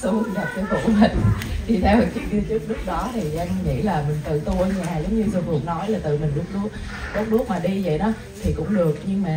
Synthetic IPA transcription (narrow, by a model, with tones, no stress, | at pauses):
u˨˧˦ɗa˨˩p̚t̪ə˨˦t̪ṵ˧˩˨mi˨˩ŋ̟ɗi˧t̪ʰɛ˧wə˨˩t͡ɕɨ˦˥ək̚ɗɨ˧t͡ɕɨ˦˥ək̚nɨ˦˥ək̚ɗɔ˨˦t̪ʰi˨˩ʔa˧ŋ˧ŋḭ˧˥laː˨˩mï˨˩ŋ̟t̪ɨ̰˧˨t̪u˧˩˧ɲ˧˩naː˨˩zə˨˦wŋ͡mɲɨ˧zo˧vɨ˨˩ək̚nɔ˨˦jlaː˨˩t̪ɨ̰˧˨mï˨˩ŋ̟ɗu˦˥ək̚ɗu˨˦˥ək̚ | ɗu˦˥k̚ɗu˦˥k̚maː˨˩ɗi˧zə̰˧˨jɗɔ˨˦ | t̪ʰi˨˩kʊ̰˧˥ŋ͡mɗɨ˨˩ək̚ɲɨ˧ŋmaː˨˩